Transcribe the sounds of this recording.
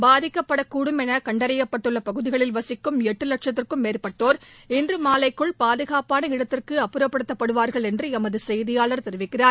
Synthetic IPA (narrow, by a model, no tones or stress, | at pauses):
baːðɪkːɐpːɐɽɐkuːɽɯmɛnɐkɐɳɖɐɾɐjɐpːɐʈːɯɭːɐpɐɣɯðɪɣɐɭɪlʋɐsɪkːɯmɛʈːɯlɐʈʂɐt̪ːɪrkɯmːeːrpɐʈːoːɾɪndrɯmaːlɐɪkːɯɭpaːðɯɣaːpaːnɐɪɽɐt̪ːɪrkɯɐpːɯɾɐpːɐɽɯt̪ːɐpːɐɽɯʋaːɾɣɐɭɛndrɯɛmɐðɯsɛjðɪjaːɭɐɾt̪ɛɾɯʋɪkːɪraːɾ